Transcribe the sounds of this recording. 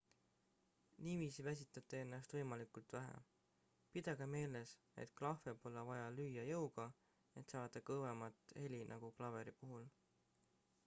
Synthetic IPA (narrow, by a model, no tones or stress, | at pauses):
niviːsivæs̬ʲit̪ːˑɑt̪ːˑee̞nːɑst̪vɤ̞jmɑlikult̪ˑvæɦæ̰ | pid̪ɑɡ̥ɑme̞ːle̞s | e̞̰t̪klɑfe̞po̞lːevɑjɑlyːjɑjɤwɡ̥ɑ | e̞t̪sɑːd̪̥ɑkɤvemɑt̪ːˑhe̞lʲinʔɑɡ̥uklɑve̞ɾipuɦul